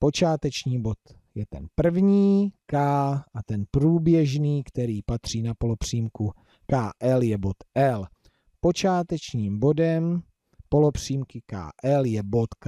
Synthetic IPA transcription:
po̞t͡ʃaːt̪ɛt͡ʃɲiːbo̞t̪ | jɛt̪ɛnpr̩vɲiːkaːʔat̪ɛnpɾuːbjɛʒniːkt̪ɛɾiːpat̪r̝̥iːnapo̞lopr̥iːmku | kaːʔɛljɛbo̞t̪ʔɛl | po̞t͡ʃaːt̪ɛt͡ʃɲiːmbo̞dɛm | po̞lo̞pr̝̥iːmkɪka̰ːʔɛljɛbo̞t̪k

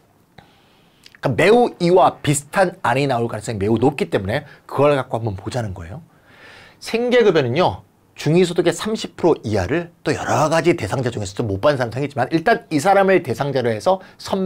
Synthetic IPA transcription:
k͈ame̞uiwapisʰɯ̥tʰanaɲinaoɭkwaɭs͈eŋme̞unop̚k͈it͈e̞mune̞kɯɡʌɭkak͈̚ohambʌnpod͡ʑanɯnɡʌe̞̰jo | sʰe̞ŋɡe̞ɡɯbjʌnɯɲo | t͡ɕuŋisʰodoɡe̞sʰamɕʰipʰɯɾoʔiaɾɯɭt͈ojʌɾʌɡad͡ʑite̞sʰaŋd͡ʑad͡ʑuŋe̞sʰʌd͡ʑomːop͈anɯns̬ʰaɾamsʰeŋɡit͡ɕd͡ʑimaniɭt͈anisʰaɾamɯɭte̞sʰaŋd͡ʑaɾɯɭɦe̞sʰʌsʰʌm

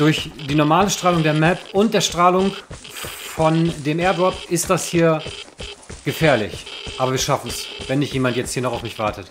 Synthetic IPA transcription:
d̥ʊɐçd̥iːnɔɐmaːləʃtʁ̥aːlʊŋdeːɐmɛpʔʊnt̚d̥eːɐʃtʁ̥aːlʊŋ | fɔndeːmeːɐdaɐfɪst̚d̥ashiːɐ | ɡ̥əfɛːɐlɪçʔaːbɐviːɐʃafn̩svɛnːɪçtjeːmantjɛt͡sthiːɐnɔχaʊfmɪçv̥aɐtət

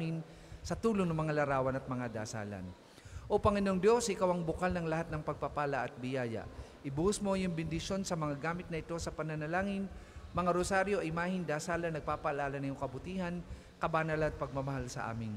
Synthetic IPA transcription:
ŋɪn | sɐt̪uːloŋnɐŋmɐŋalɐɾaːwɐnɐt̪̚mɐŋad̪a̰sa̰ːlɐ̰n | ʔopɐŋɪnoŋd̪jo̞sʔɪkawɐŋbʊkalnɐŋlɐhat̪nɐŋpɐɡ̚pɐpaːlɐʔɐt̪̚bɪjaːjɐ̰ʔʔɪbuhʊsmo̞jʊŋbɪnd̪ɪʃo̞nsɐmɐŋaɡaːmɪt̪nɐʔɪt̪o̞sɐpɐnɐnɐlaːŋɪnmɐŋaɾosaɾjo̞ʔɐjmaːhɪnd̪aːsaːlɐnɐɡ̚paːpɐhalaːlɐnɐjʊŋkɐbʊt̪iːhɐn | kɐbanɐlɐɐt̪̚pɐɡ̚mɐmɐhalsɐ̰ʔa̰ːmɪn

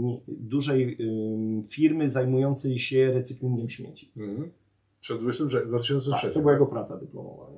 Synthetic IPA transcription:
ɲd̪uʐɛj | fʲiɾmɘzajmujɔnt̪sɛjɕɛɾɛt̪sɘklʲind̪ɛmɕmʲjḛt͡ɕi̥ | ʂɛd̪vɪsɛpʂɛd̪vat̪̬ɪɕɔ̃nsɛʂɛt̪ɔbɘwajaɡɔpɾat̪sad̪ɨplɔ̰mɔ̰va̰ɛ

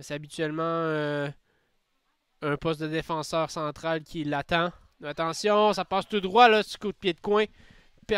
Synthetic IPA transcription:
seabit̪ɥɛlmɑ̃ø | œ̃pɔst̪̚d̪əd̪efɑ̃sœːʁsɑ̃ːt̪χalkʲʰilat̪ɑ̃ | at̪ɑ̃sjɔ̃sapɑːst̪ud̪ʁwalʌsi̥kot̪̚pjed̪kwɛ̃ | pɛ

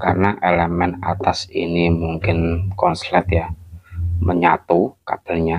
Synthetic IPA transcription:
karnaʔelemɛnat̪asinimuŋkɪnkɔnslɛt̪ja | məɲat̪ukab̥a̤lɲa

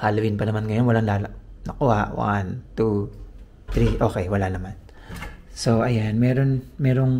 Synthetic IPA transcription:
halɐwɪnpɐnɐmanŋɐjo̞nwɐlaŋlaːlɐnɐkoʔaʔwa̰nt̪u | t̪ɾiʔo̞ːkɛjwɐlanɐman | soʔɐjanmɛːɾo̞nmɛːɾo̞ŋ

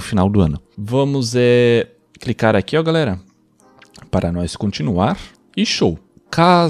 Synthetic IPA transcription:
ʊfinawd̪ʊɐ̃nʊvɐ̃mʊzɛ | klikaɾakiɔɡalɛɾɐ | paɾɐnɔskõnt͡ʃinuaɾ | ɪʃow | ka

